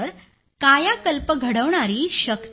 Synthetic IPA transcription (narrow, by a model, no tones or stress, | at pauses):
əɾ | kajakəlpəɡʱəɽəʋɳaɾiːɕəkt̪